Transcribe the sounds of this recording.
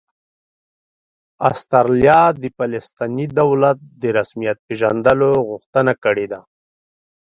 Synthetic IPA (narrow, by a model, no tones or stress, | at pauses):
ast̪aɾljɑd̪əpalɪst̪ɑnid̪awlat̪̚d̪əɾasmijat̪̚peʒand̪əloɣʊxt̪ənakəɽed̪a